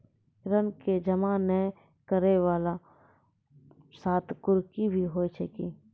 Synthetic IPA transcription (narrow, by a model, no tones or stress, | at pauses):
ɾənked͡ʒəmaːnɛ | kəɾewaːla | saːt̪kʊɾkibʱiɦoːit͡ʃʰeki